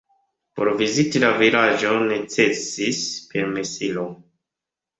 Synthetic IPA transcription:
po̰ɾvizitilavilaʒo̞ne̞t͡sesispe̞ɾmesilo

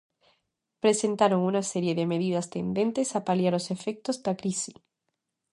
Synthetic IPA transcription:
pɾesent̪aɾoŋunaseɾjeðemeð̞iðast̪end̪ent̪esapaljaɾosefek̚t̪ozðakɾisi̥

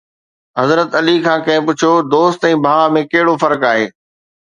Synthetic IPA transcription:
ɦɐzɾət̪ɐlikʰãːkɐ̃ɦɪ̃pʊt͡ɕʰijod̪oːst̪ɛ̃ːbʱaːʋamẽkɐɦɪɽofɐɾkaːɦeː

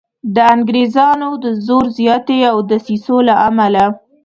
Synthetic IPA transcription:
d̪əaŋɡɾezɑnod̪əzoɾzjɑt̪eawd̪əsisolaʔamala

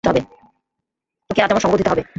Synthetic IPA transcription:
t̪oɦɔbe | okeat̪amaʃɔ̃ŋɡot̪it̪oɦɔbe

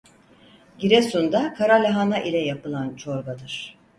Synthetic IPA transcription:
ɟiɾɛsund̪akʰaɾalʲaɦanaʔilʲɛjapɯlˠant͡ʃʰo̞ɾbad̪ɯɾ̥

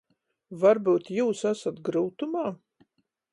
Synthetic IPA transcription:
vaɾbuːt̪juːsasat̪̚ɡɾuːt̪umaː

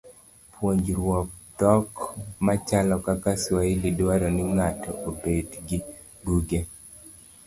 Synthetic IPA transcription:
pwoɲd͡ʒɾwɔk̚t̪ɔkmat͡ʃalɔkakaswailidwaɾɔnɪŋatɔ̰ʔobedɡɪ | buɡe

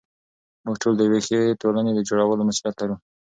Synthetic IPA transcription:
muɡʈold̪əwexeʈolaned̪əd͡ʒoɽawəlomasuljat̪laɾu

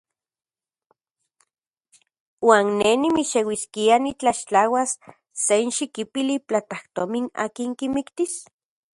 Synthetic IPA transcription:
waːnːenimiʃewiskianit͡ɬaʃt͡ɬawasː | enʃikipiliplat̪aht̪omina̰ːkiŋkimikt̪is

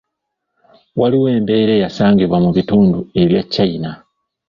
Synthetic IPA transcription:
waliwe̞ːmbeiɾejasaːŋɡiβwamuβituːndueilat͡ʃːaina

